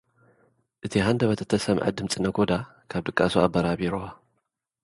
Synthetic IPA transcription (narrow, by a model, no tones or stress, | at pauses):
ʔɨt̪ʰiɦand̪ɐβɐt̪ʰɐt̪ʰːɐsɐmʕɨ̰d̪ɨmt͡sʼɨnɐɡʰod̪a | kʰaβd̪ɨkʼːasuabɐɾaβiɾoa